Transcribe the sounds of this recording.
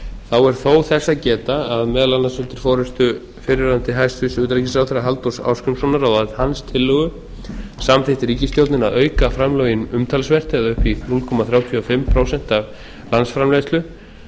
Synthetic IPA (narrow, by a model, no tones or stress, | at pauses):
θawɛɾ̥θowθɛsːacɛːt̪aːðmɛːðalanːasʏnt̪ɪɾ̥fɔːɾʏst̪ʏ | fɪɾɪɾant̪ɪɦajst̪fʏsʏːt̪ɾacisawθɛɾaɦalt̪usa̰ːwskʏmsɔnaɾawðat̪hanst̪ʰɪlːœɣʏ | samθɪht̪ɪɾiːcɪst̪jowt̪nɪnaðœːɥkafɾamlœjɪnʏmt̪ʰalsvɛr̥t̪ɪɛðaʏhpinulkʰɔːmaθɾjawt̪ʰyɔfɪmːpʰɾowsɛn̥t̪av | lansfɾamlɛst̪lʏ